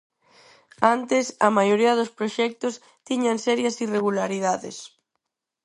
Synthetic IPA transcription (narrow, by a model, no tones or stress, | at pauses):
ant̪ɪsɐ̰majoɾiɐðospɾoʃɛk̚t̪ʊs | t̪iɲansɛɾjasireɣulaɾiðaðḛs